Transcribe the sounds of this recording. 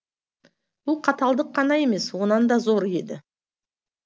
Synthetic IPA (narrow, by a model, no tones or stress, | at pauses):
b̥ʊlˠqʰɑt̪ɑlˠd̪əqʰːɑnɑje̞me̞swo̞nɑnd̪ɑzo̞ɾe̞d̪ɪ